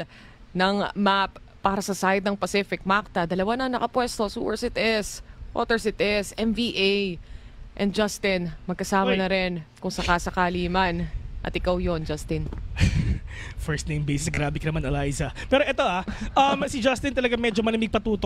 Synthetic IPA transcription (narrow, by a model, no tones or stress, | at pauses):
nɐŋmapː | aːɾɐsɐsajd̪̚nɐŋpɐsɪfɪk̚mak̚t̪ɐd̪ɐlɐwanɐŋnɐkɐpwɛst̪osṵːwɛɹsɪt̪ʔɪsʔo̰ːt̪ɛɹsɪt̪ʔɪsʔɛmviːʔejʔɛnd̪̚d͡ʒast̪ɪnmɐɡ̚kɐsaːmɐnɐɾɪnkʊŋsɐkaːsɐkaːliːmanʔɐ̰t̪ɪkawjo̞nd͡ʒɐst̪ɪn | fɛɹst̪nejmbejsɪsɡɾaːbɪkɐnɐmanɐlajzɐpɛːɾoʔɛt̪oʔaʔɐmsid͡ʒast̪ɪnt̪ɐlɐɡamɛd͡ʒomɐlɪmɪɡ̚pɐt̪uːt̪o